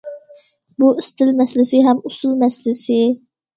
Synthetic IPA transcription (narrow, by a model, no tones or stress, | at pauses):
buist̪ʰɪlmɛslɪsɪɦæmusulˠmɛslɪsɪ